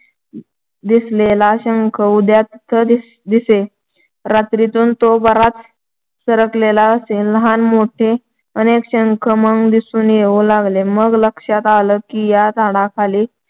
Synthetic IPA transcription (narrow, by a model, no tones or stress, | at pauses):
d̪islelaːɕəŋkʰəud̪jat̪t̪ʰːə | d̪ise | ɾat̪ɾit̪uːnt̪obəɾat͡s̪ | səɾəklelaəselːəɦanmoʈʰe | ənekɕəŋkʰəməŋɡd̪isuːnjeʋolaɡleməɡləkʂat̪aləːkiːjat̪aɽakʰale